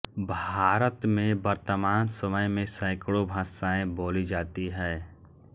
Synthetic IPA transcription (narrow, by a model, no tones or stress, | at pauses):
bʱaːɾət̪mẽbəɾt̪əmaːnsəməjmẽsaːɪkɭobʱaːsaːẽboːlid͡ʒaːt̪iɦɛː